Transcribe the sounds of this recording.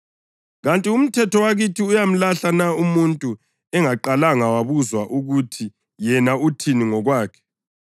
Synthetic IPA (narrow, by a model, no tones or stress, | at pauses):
ɣantʼium̩tʰɛtʰɔwaɣitʰiujam̩laɬanaumuntʼu | ɛŋaǃalaŋawaβuzwaʔuɣutʰi | jɛnautʰiniŋɔɣwaːkʰɛ̥